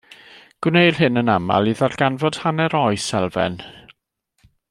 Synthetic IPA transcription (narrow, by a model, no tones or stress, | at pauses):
ɡ̥wnejr̥ɦɪnənama̰lˠiðarɡanvɔd̥hanɛɾɔɨsɛlˠvɛ̰n